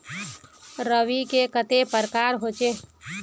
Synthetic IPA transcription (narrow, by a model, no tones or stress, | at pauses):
ɾəʋikekət̪epəɾkaɾɦot͡ʃe